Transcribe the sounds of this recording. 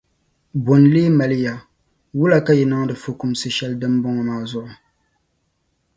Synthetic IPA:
bo˨n˨leː˦ma˨lɨ˦ja˨ | wu˦la˨ka˦jɛ˨nɨ˦ŋ˦dɨ˨fo˨ku˦msɨ˦ʃɛ˦ldɨ˦m˦bʊ˦ŋɔ˨maː˨˦˨zʊ˦ʔʊ˨

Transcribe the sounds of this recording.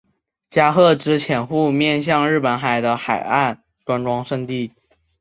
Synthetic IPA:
t͡ɕja˥xɤ˥˩ʈ͡ʂɻ̩˥t͡ɕʰjɛ˧˥nxu˥˧mjɛ˥˧nɕ̬jɑ˥˧ŋɻɻ̩˥˩pə˧˥nxa˨˩ɪd̪ə˦xa˨˩ɪa˥˩n | ʈ͡ʂwa˧˥nʈ͡ʂwɑ˥ŋʂə˥˧ŋt̪i˥˩

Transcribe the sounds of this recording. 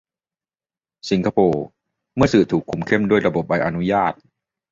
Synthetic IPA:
si˨˦ŋkʰa˧˥pʰoː˧ | mɯ˥˩ɐsɯː˨˩t̪ʰuː˨˩kʰːu˨˧˩mkʰe˥˩˨mdu˥˩əjɾa˧bo˨˩p̚a˧jʔa˧nu˦˥jaː˥˩t̪̚

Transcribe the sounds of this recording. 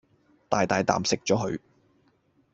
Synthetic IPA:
t̪aː˨jt̪aː˨jt̪a̰ː˨msɪ˨k̚t͡ʃɔː˨˥ɦɵ˨˧ɥ

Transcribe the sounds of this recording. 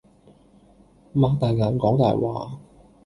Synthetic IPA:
maː˧k̚t̪aː˨jŋaː˨˥nkɔː˨˥ŋt̪aː˨jwa̰ː˨

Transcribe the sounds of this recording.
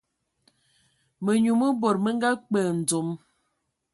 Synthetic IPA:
mə˨ɲu˨mə˦bo˨ɾmə˦ŋ˦ɡa˦k͡pə˨n̩˨d͡zo˨m

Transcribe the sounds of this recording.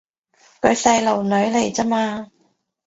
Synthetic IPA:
kɵ˨˧ɥsɐ˧jlo˨˩wnɵ˨˧ɥle˨˩jt͡sɐ˥maː˧

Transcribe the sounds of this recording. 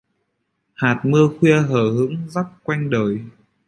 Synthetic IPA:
haː˨˩t̚mɨ˧əxwi˧əɦəː˧˩hɨ̰˧˥əŋza˦˥t̚kwa˧jŋɗəː˨˩j

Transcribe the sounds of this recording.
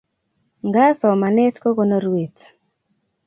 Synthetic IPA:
ŋɡa˦sɔ˨ma˨nɛ˦tko˦ko˦no˦ɾwe˨t

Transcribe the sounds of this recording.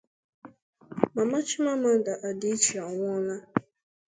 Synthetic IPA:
ma˨ma˦t͡ʃi˦ma˦ma˦n˦da˨ʔa˨di˦t͡ʃi˨a˨ŋʷʊ˦na˦

